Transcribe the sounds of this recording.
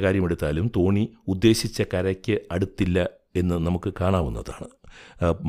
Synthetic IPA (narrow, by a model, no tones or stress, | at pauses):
kaːɾjɐme̞ɽut̪ːaːlumt̪o̞ːɳiud̪ːe̞ːɕit͡ɕːɐkɐɾɐkʲːɨɐɽut̪ːilːɐ | e̞nːɨnɐmukːɨkaːɳaːʋunːɐða̰ːɳɨ